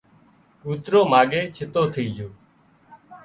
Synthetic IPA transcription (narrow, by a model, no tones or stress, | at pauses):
uːt̪ɾoːmaːɡeːt͡ʃʰɪt̪oːt̪ʰiːd͡ʒoː